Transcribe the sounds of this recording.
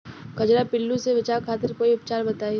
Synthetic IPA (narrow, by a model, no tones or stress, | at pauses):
kɐd͡ʒɾapɪlːũseʋɪt͡ʃaːɾkʰaːt̪ɪɾkoːiʊp̚t͡ʃaːɾbɐt̪aːi